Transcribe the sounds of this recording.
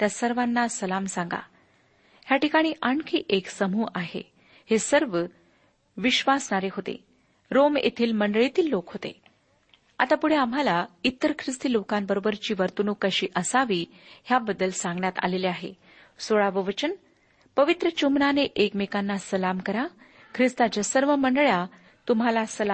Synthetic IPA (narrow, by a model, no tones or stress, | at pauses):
t̪jasəɾʋanːasəlamsãŋɡa̰ | ɦjaʈikaɽ̃iːʔaɳkʰiːʔeksəmuːʔaɦḛ | hesəɾʋə | ʋiɕʋasɳaɾeɦot̪ḛ | ɾomḛt̪ʰiːlməɳɖəɭit̪iːlːokɦot̪ḛ | a̰t̪apuɽ̤eam̤ɦalait̪ːəɾkʰɾist̪iːlokambəɾobəɾt͡ɕiːʋəɾt̪unukəɕiːʔəsaʋiː | ɦjabəd̪ːəlsãŋɡɳjat̪a̰leleaɦḛ | soɭaʋəʋət͡ɕən | pəʋit̪ɾət͡ɕumnaneʔekmekanːasəlamkəɾa | kʰɾist̪ad͡ʑəsəɾʋəməɳɖəɭja | t̪umɦalasəla